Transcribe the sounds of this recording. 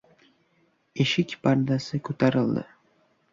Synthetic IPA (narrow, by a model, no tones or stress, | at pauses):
eʃikʲpʰaɾd̪asɨkʰut̪ʰɑɾɯlˠd̪ɯ̰